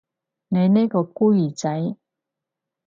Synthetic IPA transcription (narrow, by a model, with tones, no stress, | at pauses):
ne˨˧jneː˥kɔː˧kuː˥ji˨˩t͡sa˨˦j